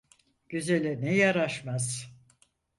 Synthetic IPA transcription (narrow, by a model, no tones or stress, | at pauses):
ɟ̥yzelʲɛnɛjaɾaʃmaz̥